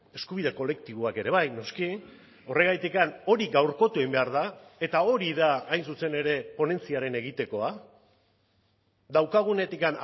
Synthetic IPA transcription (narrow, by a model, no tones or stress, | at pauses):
e̞skuβ̞iðe̞ko̞le̞kt̪iβoake̞ɾe̞β̞ajno̞ski | o̞re̞ɣajt̪ikano̞ɾiɡawɾko̞t̪uejmbe̞aɾðae̞t̪ao̞ɾiðaːjnsuse̞ne̞ɾe̞po̞ne̞nt͡siaɾe̞ne̞ɣ̞it̪e̞ko̞a | ðawkaɣ̞une̞t̪ikan